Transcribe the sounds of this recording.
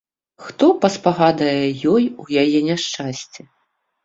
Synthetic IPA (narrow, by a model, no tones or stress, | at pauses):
xt̪ɔpɐspaɣad̪ɐjɛjɔjujajɛnʲaʂt͡ʂasʲt͡sʲɛ